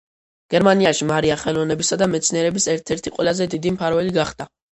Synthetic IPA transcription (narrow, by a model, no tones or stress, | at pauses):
ɡ̥ɛɾmaniaʃimaɾiaχɛlˠɔvnɛbisad̪amɛt̪sʰniɛɾɛbisɛɾt̪ʰɛɾt̪ʰiqʼwɛlˠazɛd̪id̪impʰaɾvɛliɡaχd̪a